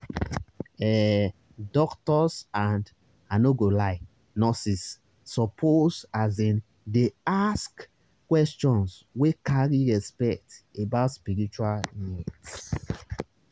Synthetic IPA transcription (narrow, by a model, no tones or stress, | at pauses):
ɛ | dɔktɔsãnd | anoɡolaɪ | nɔsisː | ɔpʰozazdɛ̃n | deask | kːwɛst͡ʃɔ̃nswekaɹiɹɛspɛk̚tebaʊtspiɾit͡ʃualnɛt